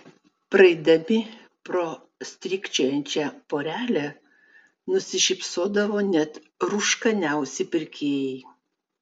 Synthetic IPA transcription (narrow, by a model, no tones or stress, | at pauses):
pɾɐɪd̪ɐmʲɪ | pɾo | sʲt̪ʲɾʲɪːkʲt͡ʃʲoːjɛnʲt͡ʃʲɛpoːɾʲæːlʲɛ | nʊsʲɪʃʲɪpʲsoːd̪ɐʋoːnʲɛt̪ | ɾuʃkɐnʲɛʊsʲɪpʲɪɾʲkʲeːjɛɪ